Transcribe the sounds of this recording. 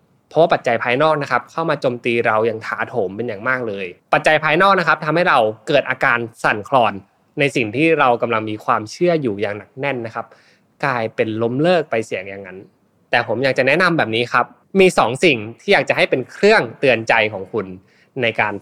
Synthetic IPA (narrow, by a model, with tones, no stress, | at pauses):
pʰɔ˦˥waː˥˩pa˨˩t̪̚t͡ɕa˧jpʰaː˧jnɔː˥˩k̚na˦˥kʰa˦˥p̚kʰa˥˩wmaː˧t͡ɕoː˧mt̪iː˧ɾa˧wja˨˩ŋt̪ʰaː˩˦t̪ʰoː˩˦mpe˧njaː˨˩ŋmaː˥˩k̚lɤː˧jpa˨˩t̪̚t͡ɕa˧jpʰaː˧jnɔː˥˩kna˦˥kʰa˦˥p̚t̪ʰa˧mha˥˩jɾa˧wkɤː˨˩t̪ʔaː˧kaː˧nsa˨˩nkʰlɔː˧nː | a˧jsi˨˩ŋt̪ʰiː˥˩ɾa˧wka˧mla˧ŋmiː˧kʰwaː˧mt͡ɕʰɯ˥˩əjuː˨˩jaː˨˩ŋna˨˩k̚nɛ˥˩nːa˦˥kʰa˦˥p̚ | klaː˧jpe˧nlo˦˥mlɤː˥˩k̚pa˧jsi˩˦əŋja˨˩ŋːa˦˥n | t̪ɛː˨˩pʰo˩˦mjaː˨˩k̚t͡ɕa˨˩nɛ˦˥na˧mbɛː˨˩p̚niː˦˥kʰa˦˥p̚ | miː˧sɔː˩˦ŋsi˨˩ŋt̪ʰiː˥˩jaː˨˩k̚t͡ɕa˨˩ɦa˥˩jpe˧nkʰɾɯ˥˩əŋt̪ɯ˧ənt͡ɕa˧jkʰɔː˩˦ŋkʰu˧nː | a˧jkaː˧n